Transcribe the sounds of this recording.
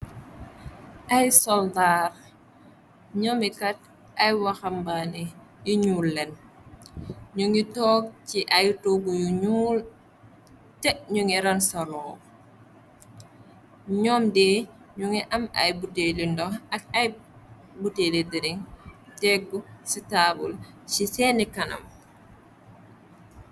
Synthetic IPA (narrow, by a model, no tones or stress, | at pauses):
ʔɐjsɔldaːr | ɲɔmikɐt̚ | ʔɐjwaxɐmbani | juɲuːlːɛn | ɲuŋitɔk̚ciʔajtoɡujuɲuːl | tɛkɲuŋiɾansalɔːw | ɲɔːmdɛː | ɲuŋiʔɐmɐ̰jbutelindɔɐk̚ɐj | butelidiɾiŋtɛɡusitabṵlsisɛnikɐnɐ̰m